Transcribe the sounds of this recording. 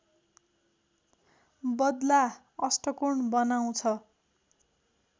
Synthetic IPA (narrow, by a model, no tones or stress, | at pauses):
bʌd̪la | ʌsʈʌkuɳbʌnaw̃t͡sʰʌ